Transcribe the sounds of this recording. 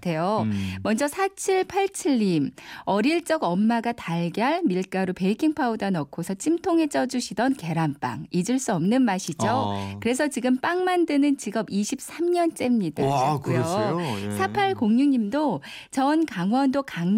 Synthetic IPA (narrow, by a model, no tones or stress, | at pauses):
tʰe̞jomʌnd͡ʑʌsʰat͡ɕʰiɭpʰaɭt͡ɕʰɯɭːimʌɾiɭt͡ɕ͈ʌɡʌmːaɡataɭɡjʌɭmiɭk͈aɾope̞ikʰiŋpʰaudanʌkʰosʰʌt͡ɕʰimtʰoŋɦe̞t͡ɕ͈ʌd͡ʑuɕʰidʌnke̞ɾanp͈a̰ŋid͡ʑɯɭs͈uʌmnɯnmaɕʰid͡ʑokɯɾe̞s̬ʰʌt͡ɕiɡɯmp͈aŋmandɯnɯnt͡ɕiɡʌbiɕʰip̚s͈amɲʌnt͡ɕ͈e̞mɲidakjosʰapʰaɭkoŋɲuɲimdot͡ɕʌnkaŋwʌndokaŋ